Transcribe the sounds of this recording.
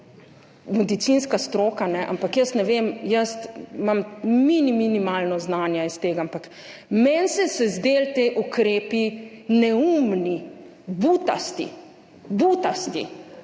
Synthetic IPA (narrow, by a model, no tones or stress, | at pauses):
mɛd̪it̪sinskast̪ɾoːkanɛʔa̰mpakjəst̪nɛʋeːmjəst̪mamminiminimaːlnɔznaːnjaist̪eːɡaampak | mɛnsɛsɛzd̪eːlt̪eːʔukɾeːpinɛumni | but̪a̰st̪ḭ | but̪ast̪ḭ